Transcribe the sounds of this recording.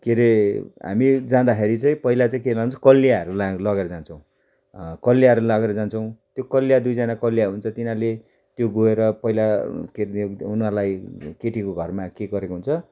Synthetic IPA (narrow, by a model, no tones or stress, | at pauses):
keɾeɦa̰mid͡zãd̪axʰeɾit͡saĩpʌɦilat͡saĩkelaɡnnt͡sʰʌkʌlːjaɦʌɾulalʌɣeɾʌd͡zant͡sʰʌw̃ | kʌlːijaɦʌɾulaɡeɾʌd͡zant͡sʰʌw̃t̪jokʌlːijad̪ujd͡zanakʌlːijaɦunt͡sʰʌt̪inãle | t̪joɡoeɾʌpʌɦilakeunarlajkeʈikoɡʱʌrmakeɡʌɾekoɦunt͡sʰʌ